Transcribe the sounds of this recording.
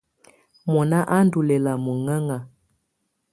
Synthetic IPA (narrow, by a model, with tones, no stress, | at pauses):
mɔ˨na˦ʔa˦n˦du˨lɛ˨la˨mu˨ŋə˦ŋa˨